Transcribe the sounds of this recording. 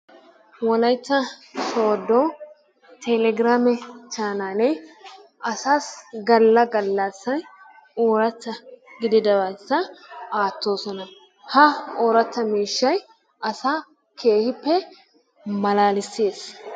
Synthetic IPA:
wɔlɐjt̪ːɐsoːd̪o | t̪ʰɛlɛɡɪɾaːmɛt͡ʃaːnaːnɛ | ɐsaːsɡɐlːɐɡɐlːɐsːɐn | oːɾɐt̪ːɐɡɪd̪ɪd̪ɐwɐjsːɐaːt̪ːo̞ːsɔnɐ | hɐoːɾɐt̪ːɐmiːʃːɐj | ʔɐsaː | kʰe̞ːhɪpːɛ | mɐlaːlɪsːeːs

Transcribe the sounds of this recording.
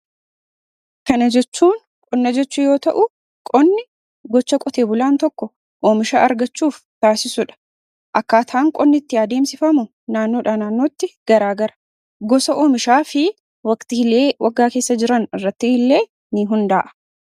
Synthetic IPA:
kɐnɐd͡ʒɛt͡ʃːuːn | kʼɔnːɐd͡ʒɛt͡ʃːʊjo̞ːt̪ɐʔʊ | kʼɔnːɪ | ɡɔt͡ʃːɐkʼɔt̪e̞ːbʊlaːnt̪ɔkːɔ | ʔoːmɪʃaːʔɐɾɡɐt͡ʃːuːf | t̪aːsɪsʊᶑɐ̥ | ʔɐkːaːt̪ʰaːŋkʼɔnːɪt̪ːɪjaːd̪e̞ːmsɪfɐmʊ | naːnːoːᶑaːnaːnːo̞ːt̪ːɪɡ̥ɐɾaːɡɐɾɐ̥ | ɡɔsɐʔoːmɪʃaːfɪ | wɐkt̪ɪhɪle̞ːwʔɐɡːaːke̞ːsːɐd͡ʒɪɾɐnɪrːɐt̪ːɪhɪlːe̞ː | nɪɦʊnd̪aːʔɐ̥

